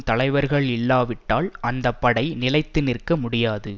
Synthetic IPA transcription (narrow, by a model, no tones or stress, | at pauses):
t̪ɐlɐɪʋɐɾɣɐɭɪlːaːʋɪʈːaːlɐnd̪ɐpːɐɽɐɪnɪlɐɪt̪ːɪnɪɾkɐmʊɽɪjaːðɯ